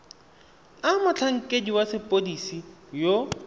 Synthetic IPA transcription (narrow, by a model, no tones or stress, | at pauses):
amʊt͡ɬʰaŋ̩kʼediwasɪpʼodisijo